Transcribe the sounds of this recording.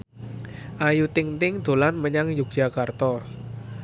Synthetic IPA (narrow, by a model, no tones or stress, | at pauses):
ʔajut̪ɪŋt̪ɪŋd̪̥o̤lanməɲaŋjuɡjakart̪ɔ